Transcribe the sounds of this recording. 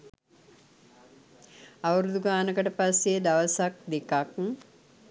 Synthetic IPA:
aʋɐɾud̪uɡaːnəkəʈəpased̪aʋəsak̚d̪ekak

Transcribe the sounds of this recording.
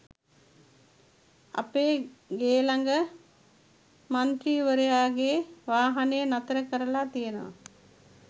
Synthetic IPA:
a̰peːɡeːlaŋɡə | mant̪ɾiːʋəɾejaːɡeːʋaːɦanejənat̪əɾəkəɾəlat̪ijənəʋa̰

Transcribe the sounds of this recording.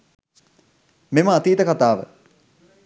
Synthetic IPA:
meməat̪iːt̪əkat̪aːʋə̰

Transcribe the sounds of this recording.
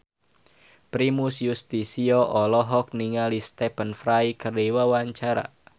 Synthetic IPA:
pɾimusjust̪isiɔʔɔlɔɦɔk̚niŋalist̪ɛpənfɾajkəriwawaɲt͡ʃaɾa̰

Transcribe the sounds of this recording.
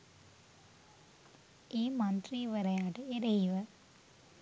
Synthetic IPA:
iːmɐnd̪riʋɐrɐjaːɽeeɾɐjʋɐ

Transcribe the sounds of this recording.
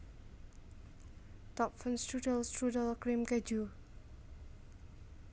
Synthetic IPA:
t̪ɔp̚fə̃nstɹudəlstɹudəlkɹĩmkɛd͡ʒu

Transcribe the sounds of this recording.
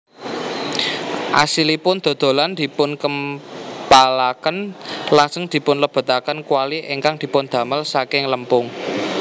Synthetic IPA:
ʔa̰silipʊnd̪̥o̤d̪̥o̤land̪̥i̤pʊnkəmpalakənlasəŋd̪̥i̤pʊnləb̥ə̤t̪akənkuwaliʔeŋkaŋd̪̥i̤pʊnd̪̥ä̤məlsakɪŋləmpʊŋ

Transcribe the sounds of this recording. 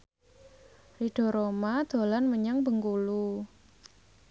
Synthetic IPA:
riɖ̥ɔ̤ɾomad̪̥o̤lanməɲaŋbəŋkulu

